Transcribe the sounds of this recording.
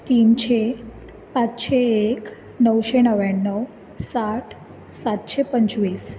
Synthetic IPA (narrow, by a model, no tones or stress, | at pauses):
t̪iːnɕe | pat͡sɕeek | nəwɕenəʋjanːəw | saʈʰ | sat̪ɕepəɲt͡sʋiːs